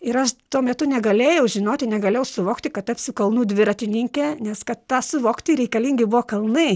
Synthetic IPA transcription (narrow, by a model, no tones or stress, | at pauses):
ɪɾɐʃt̪uɔmʲɛt̪ʊnʲɛɡɐlʲeːjɛʊʒʲɪnoːt̪ʲɪnʲɛɡɐlʲeːjɛʊsʊʋoːkt̪ʲɪkɐt̪t̪ɐpʲsʲʊkɐlˠnuːd̪ʲʋʲɪɾɐt̪ʲɪnʲɪŋʲkʲɛːnʲɛskɐt̪t̪ɑːsʊʋoːkt̪ʲɪɾʲɛɪkɐlʲiŋʲɡʲɪbʊʋoːkɐlˠnɐɪ